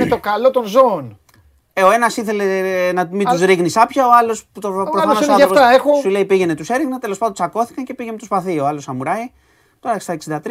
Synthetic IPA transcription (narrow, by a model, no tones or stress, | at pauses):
net̪okɐlo̞t̪onzo̞ːn | eo̞e̞nɐsiθele̞nɐmit̪uzɾiɣnisɐpçɐo̞ɐlo̞st̪oɐɐft̪ɐexosule̞ipiʝe̞net̪use̞ɾiɣnɐt̪e̞lospɐnd̪sɐko̞θi̥kɐnce̞piʝemet̪ospɐθio̞ɐlo̞sɐmuɾɐi | t̪o̞ɾɐst̪ɐeksind̪ɐt̪ɾ